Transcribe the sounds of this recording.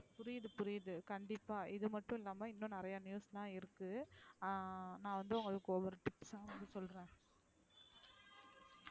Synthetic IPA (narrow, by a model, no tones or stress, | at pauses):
pʊɾɪjɐðɯpʊɾɪjðɯkɐɳɖɪpːaːʔɪðɯmɐʈːʊ̃ɪlːaːmɐɪnːõːnɪɾɐjanjuːslãːɪɾɯkːɯ | nãːʋɐnd̪ɯʊŋɡɐɭɯkːɯɔʋɐɾɯʈɪpsãːɐʋɐnd̪ɯsɔlɾẽː